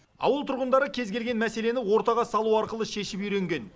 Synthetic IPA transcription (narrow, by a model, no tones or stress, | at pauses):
ɑ̰wəlˠt̪ʰʊɾʁənd̪ɑɾəkʲʰe̞zɡʲe̞lɡʲe̞nmæse̞le̞nɪwo̞ɾt̪ɑʁɑsɑlˠuɑɾqəlˠəʃe̞ʃɪpijɾe̞ŋɡʲe̞n